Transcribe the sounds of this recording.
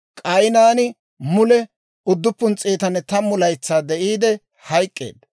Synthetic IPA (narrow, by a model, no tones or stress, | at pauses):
kʼɐjnaːnɪ | mʊlɛ | ʊd̪ːʊpːʊnt͡sʼeːt̪ɐnːɛt̪ɐmʊlɐjt͡sːaːd̪ɛʔiːd̪ɛ | hɐjkʼːe̞̰ːd̪